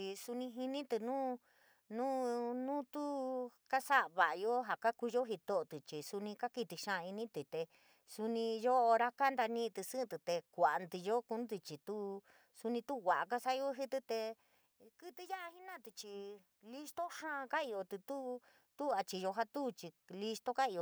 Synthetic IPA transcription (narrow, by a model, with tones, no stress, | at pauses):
i˧su˧nĩ˧ɦi˧nĩ˦t̪ɨ˧nũː˦ | nũː˦nũ˦t̪u˦ka˦sa˦ʔβa˨ʔjo˦ɦa˨ka˦ku˧jo˦ɦi˧t̪o˦ʔo˨t̪ɨ˨t͡ʃi˨su˧nĩ˧ka˦ki˧t̪i˧ʃã˦ʔa˧i˧nĩ˦t̪i˨t̪e˧ | su˧nĩ˧jo˦ʔo˧ɾa˦ka˦nd̪a˧nĩ˦˧t̪ɨ˧sɨ̃˦˧t̪ɨ˨t̪e˧kʷa˨ʔnd̪i˧jo˦ku˧˦nd̪ɨ˧t͡ʃi˨t̪u˦ | su˧nĩ˧t̪u˦˧ɣa˨ʔa˨ka˦sa˦˧jo˦ɦi˦t̪ɨ˧t̪e˧ | kɨ˦t̪ɨ˧ja˦ʔa˧hi˦nã˦˨t̪ɨ˧t͡ʃi˧ | li˧st̪o˦ʃã˦ã˧ka˦i˧jo˧t̪u˧t̪u˦ | t̪u˦a˧t͡ʃi˧jo˧ɦa˧t̪u˦t͡ʃi˧li˧st̪o˦ka˦i˧jo˨